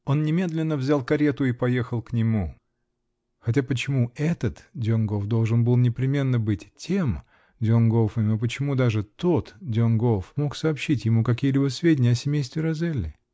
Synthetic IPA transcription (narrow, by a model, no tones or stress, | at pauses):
o̞nːnʲɪmʲe̞d̪lʲɪnːəvzʲalˠkɐɾʲet̪ʊipɐje̞xəlˠknʲɪmu | xɐtʲapət͡ɕɪmuɛt̪ət̪dʲɪonɡovd̪o̞lˠʐɨnbɨlˠnʲɪpɾʲɪmʲe̞nːəbɨtʲtʲːem | dʲɪoŋɡofəmʲɐp̬ət͡ɕɪmud̪aʐɨt̪o̞t̪dʲɪonɡo̞fmo̞ksɐːpɕːitʲjɪmukɐkʲijəlʲibəsvʲedʲɪnʲɪɐsʲɪmʲejst̪vʲɪɾɐzɛlʲːɪ̰